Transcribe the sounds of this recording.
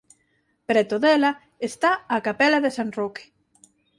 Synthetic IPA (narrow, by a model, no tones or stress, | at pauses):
pɾɛt̪oðɛlɐ | est̪aakapɛlaðesanroke̥